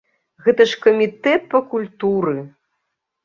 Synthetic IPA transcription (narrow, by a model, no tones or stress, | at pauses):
ɣɛt̪ɐʂkɐmʲit̪ɛt̪̚pɐkulʲt̪uɾɨ